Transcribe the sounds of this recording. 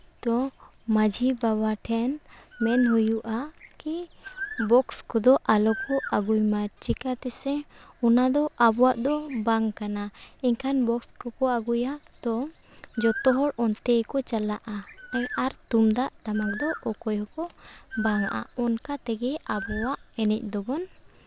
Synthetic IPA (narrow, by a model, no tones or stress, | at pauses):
t̪ɔ | mad͡ʒʱibaβaʈʰɛnmɛnɦujuʔakibɔkskɔd̪ɔʔalɔkɔaɡujmat͡ʃikat̪ɛsɛɔnad̪ɔʔabɔwaʔd̪ɔbaŋkanaiɲkʰanbɔkskɔkɔaɡuja | d̪̥ɔ | d͡ʒɔt̪ɔɦɔɽɔnt̪ɛjkɔt͡ʃalaʔaɛaɾt̪umd̪aʔt̪amak̚d̪ɔʔɔkɔjɔkɔbaŋaʔa̰ɔnkat̪ɛɡɛabɔwaʔɛnɛc̚ˀd̪ɔbɔn